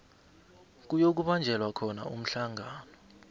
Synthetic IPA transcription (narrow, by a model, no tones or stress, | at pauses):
k̬ujok̬uɓand͡ʒʱɛlwakʰɔna̰um̩ɬaŋʱaːnɔ